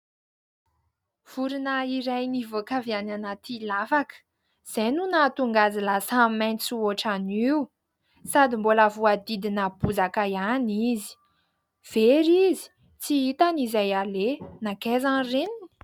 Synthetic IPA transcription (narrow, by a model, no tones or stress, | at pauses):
v̥uɾinəiɾajnivokaviananat̪ʰilafakə̥ | z̥ejnunat̪uŋɡazilasamajnt͡suoʈ͡ʂaniu | sad̪imbolavuad̪id̪inəbuzakajanizi̥ | v̥eɾizi̥ | t͡siit̪anizajalenakezanrenini̥